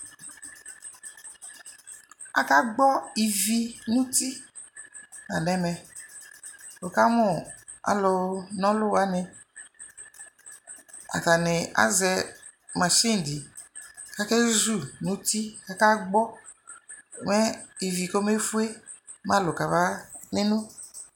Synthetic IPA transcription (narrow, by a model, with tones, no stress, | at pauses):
a̰˨ka˦ɡ͡bɔ˦i˨vi˧nũ˦t̪i˦ | nã˨nɛ˨mɛ˨ | o˨ka˦mʊ̃˦˨ | a̰˨˦lo˧nɔ̃˦lʊ˦wa˦nɪ˧ | a̰˨ta˨nɪ˨a̰˨zɛ˧ | mã˨ʃi˦n˨di˨ | ka˦ke˦zu˦˨nũ˦t̪i˦ka˨ka˦ɡ͡bɔ˦˨ | mɛ˦i˨vi˨ko˦me˦fu˦e˦ | mã˦lʊ˨ka˨va˦nɪ̃˦nũ˦